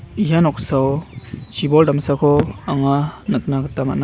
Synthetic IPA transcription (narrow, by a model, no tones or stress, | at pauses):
ijanɔksawt͡ʃibɔldamsakʰɔaŋanɯk̚naɡətama̰ʔna